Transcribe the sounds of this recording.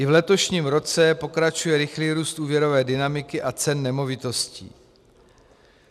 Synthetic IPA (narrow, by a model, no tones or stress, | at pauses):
ʔɪvlɛt̪o̞ʃɲiːmɾo̞t͡sɛpo̞kɾat͡ʃujɛɾɪxliːɾuːst̪ʔuːvjɛɾo̞vɛːdɪnamɪkɪʔat͡sɛnːɛmo̞vɪt̪o̞scḭː